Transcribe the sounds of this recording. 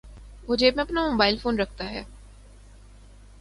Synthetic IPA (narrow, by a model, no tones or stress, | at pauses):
mʊd͡ʒʱemẽɐpnamoːbaːɪlfoːnɾɐk̚ʰt̪aɦɛ̰ː